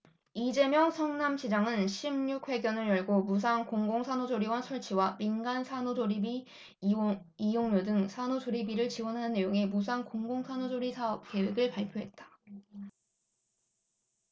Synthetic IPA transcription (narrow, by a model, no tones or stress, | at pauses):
id͡ʑe̞mjʌŋsʰʌŋnamɕʰid͡ʑaŋɯnɕʰimɲukʰɸwe̞ɡjʌnɯɭjʌɭɡomus̬ʰankoŋɡoŋsʰanod͡ʑoɾiwʌnsʰʌɭt͡ɕʰiwaminɡansʰanod͡ʑoɾibi | ijoŋɲodɯŋsʰanod͡ʑoɾibiɾɯɭt͡ɕiwʌnɦanɯnːe̞joŋemusʰaŋkoŋɡoŋsʰanod͡ʑoɾisʰaʌp̚ke̞we̞ɡɯɭpaɭpʰjoɦe̞t̚t͈ḁ